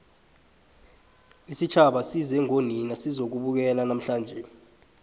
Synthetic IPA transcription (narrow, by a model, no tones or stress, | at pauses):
isit͡ʃʰaɓasizɛŋoninasizok̬uɓuk̬ɛlanam̩ɬaːnd͡ʒʱɛ